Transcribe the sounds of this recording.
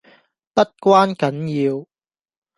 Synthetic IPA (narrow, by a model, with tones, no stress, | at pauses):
t̪ɐ˥t̚kʷwaː˥nkɐ˨˦˥njiː˧w